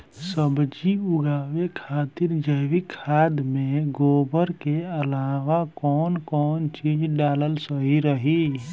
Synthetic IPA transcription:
səbd͡ʒiʊɡaːwekʰaːt̪iɾd͡ʒəʋikʰaːd̪mẽɡoːbəɾkeəlaːʋakɔːnkɔːnt͡ʃiːd͡ʒɖaːləlsəɦiɾəɦi

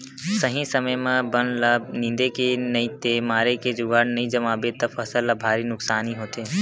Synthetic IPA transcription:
səɦĩsəməjmẽbənləbnɪ̃nd̪ekenəĩt̪emaːɾeked͡ʒʊɡaɽnəĩd͡ʒəmaːbet̪əpʰəsəlːəbʱaːɾinʊksaːniɦoːt̪eː

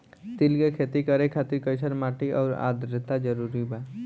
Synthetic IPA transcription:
t̪ɪlkekʰeːt̪ikəɾekʰaːt̪ɪɾkəɪsəɾmaːʈiʔɔ̰ːɾa̰ːd̪ɾɪt̪ad͡ʒəɾuɾiba

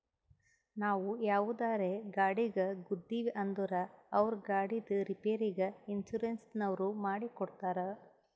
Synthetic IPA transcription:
naːʋujaːʋud̪aːɾeɡaːɽiɡɐɡud̪ːiʋʔɐnd̪uɾɐɐʋɐɾɡaːɽid̪ɨɾipeːɾiɡɐinʃuɾensnɐʋɾumaːɽikɔɽt̪aːɾɐ

